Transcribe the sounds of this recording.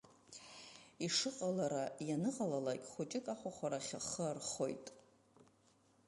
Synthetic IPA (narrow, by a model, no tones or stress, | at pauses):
iʂɨqʼalaɾajanɨqalalakʲʼχʷut͡ʃʼɪkʼaχʷaχʷaɾaχʲaχəarχo̞jtʼ